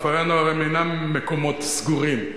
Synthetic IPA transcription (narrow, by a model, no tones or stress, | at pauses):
faʁanoaʁemenamːekomot̪sɡuʁim